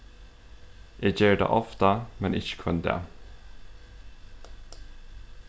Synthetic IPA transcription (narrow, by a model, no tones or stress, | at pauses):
ʔeːjeːɖḛːʔɔft̪əmɛnʔɪçə̥kʰʊnd̪ḛː